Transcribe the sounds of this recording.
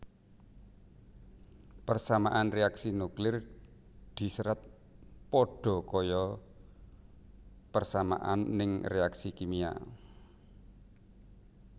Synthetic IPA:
pərsamaʔanreaksinuklɪr | d̪̥i̤səɾat̪̚ | pɔɖ̥ɔ̤kɔjɔ | pərsama̰ʔanːɪŋreaksikimia̰

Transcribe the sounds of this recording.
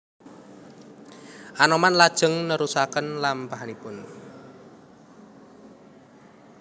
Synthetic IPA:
ʔanɔmanlad̥ʒ̥ə̤ŋnəɾusakənlampaɦanipʊn

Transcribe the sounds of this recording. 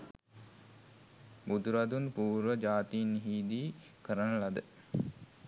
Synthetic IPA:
bud̪uɾad̪unpuːɾʋəd͡ʒaːt̪inːiɦiːd̪iː | kəɾənəlad̪ə

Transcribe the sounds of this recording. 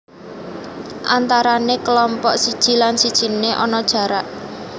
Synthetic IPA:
ʔant̪aɾanekəlɔmpɔʔsid̥ʒ̥i̤lansid̥ʒ̥i̤neʔɔnɔd̥ʒ̥ä̤ɾaʔ

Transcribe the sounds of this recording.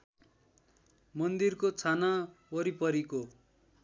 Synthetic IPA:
mʌnd̪irkot͡sʰanawʌɾipʌɾiko

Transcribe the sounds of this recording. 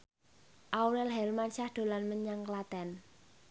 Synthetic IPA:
ʔawɾɛlɦɛlmanʃahd̪̥o̤lanməɲaŋklat̪ɛn

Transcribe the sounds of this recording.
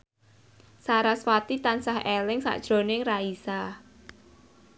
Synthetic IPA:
saɾaswat̪it̪ansahelɪŋsa̰ʔd̥ʒ̥ɾo̤nɪŋraisa

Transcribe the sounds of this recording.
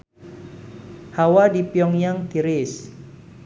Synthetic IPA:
hawadipjɔŋjaŋt̪iɾɪs

